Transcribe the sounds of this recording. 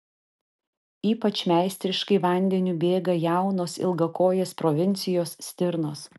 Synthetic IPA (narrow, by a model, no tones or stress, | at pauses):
iːpɐt͡ʃʲmʲæˑɪsʲt̪ʲɾʲɪʃkɐɪʋɐˑnʲd̪ʲɛnʲubʲeːɡɐjæˑʊnoːsɪ̰lˠɡɐkoːjeːspɾɔʋʲɪnʲt̪sʲɪjoːssʲt̪ʲɪɾnoːs